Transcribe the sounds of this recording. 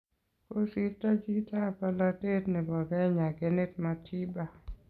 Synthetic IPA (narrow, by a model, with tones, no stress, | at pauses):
ko˦si˦tːa˦d͡ʒi˦ta˦˨pa˦la˦te˦tnɪ˨bɔ˨ɡɛ˦ɲa˨ɡe˨ne˦t̚ma˨tʰi˦ba˨